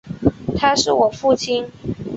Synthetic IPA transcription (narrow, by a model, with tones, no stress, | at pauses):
t̪ʰa˥ʂɻ̩˥˩wɔ˨˩fu˥˩t͡ɕʰi˥n